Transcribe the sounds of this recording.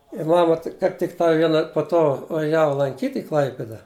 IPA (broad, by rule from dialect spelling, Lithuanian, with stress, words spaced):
ɪ ˈmɑːmɐ tʲɪk kɐɪp tʲɪkˈtɐɪ ˈʋʲiɛnɐ poː ˈtoː ʋɐˈʒʲæːʋɐ lˠɐŋʲˈkʲiːtʲ ɪ ˈklˠɐɪpʲɪdɐ